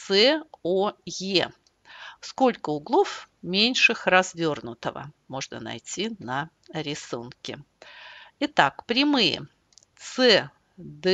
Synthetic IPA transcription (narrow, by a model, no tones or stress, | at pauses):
sɛoje | sko̞lʲkəʊɡlˠofmʲenʲʂɨxrɐzvʲo̞rnʊt̪əvə̰mo̞ʐnə̰nɐ̰jtʲinə | ɾʲɪsunkʲɪ | ɪt̪akpɾʲɪmɨjə̰ | t̪sɛ | d̪